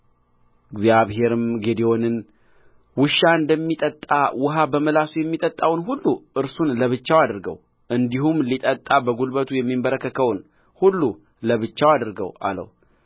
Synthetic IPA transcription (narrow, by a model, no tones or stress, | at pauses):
ɨɡzjaβɦe̞ɾɨmɡed̪eo̞nɨn | wɨʃaɨnd̪əmːit̪ʼət̪ʼːawʊɦabəməlasujɛmːit̪ʼət̪ʼːawnɦulːuʔɨɾsunləβɨt͡ʃːawad̪ɨɾɡəw | ʔɨnd̪iɦumlit̪ʼət̪ʼːabəɡulbət̪ʰujɛmːimbəɾəkːəkʰəwn | hulːu | ləβɨt͡ʃːawad̪ɨɾɡə̰wa̰lə̰w